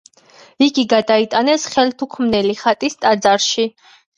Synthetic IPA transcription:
iɡiɡad̪ait̪ʼanɛsχɛlt̪ʰukʰmnɛliχat̪ʼist̪ʼad̪zaɾʃi

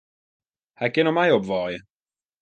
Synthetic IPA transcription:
haɡɪnɔmajobvɔj

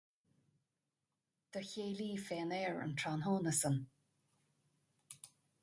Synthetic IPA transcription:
d̪̥əçeːliːfɛːnɛːɹə̰nt̪ʰaːnɦoːnəsən

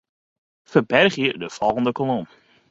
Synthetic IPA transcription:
fərbɛrχjədəfɔlˠɣən̩dəkɔlɔm

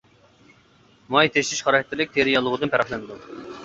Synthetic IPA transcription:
mɑjt̪ʰeʃt̪ɪʃχɑɾɑkʰɛ̥t̪ʰːɪlɪk̚ʲt̪ʰeɾijɑlˠːəʁəd̪ɨnpʰæɾɑχlˠɛnd̪u

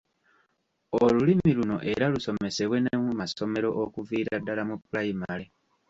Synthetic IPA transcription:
olulimiluno̞ʔe̞ɾaluso̞me̞se̞βwe̞nemumaso̞me̞ɾo̞ʔokuviːɾadːalamupulajimale

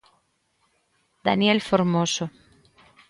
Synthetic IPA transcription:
d̪a̰njelfoɾmoso

